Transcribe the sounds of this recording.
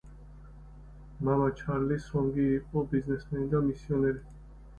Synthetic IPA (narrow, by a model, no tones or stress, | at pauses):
mamat͡ʃʰaɾlisɔ̃ŋɡiːpʼɔbiznɛsmɛnid̪amisionɛɾi